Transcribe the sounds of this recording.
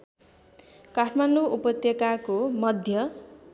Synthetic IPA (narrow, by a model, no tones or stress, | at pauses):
kaʈʰmanɖuupʌt̪jʌkakomʌd̪ʱjʌ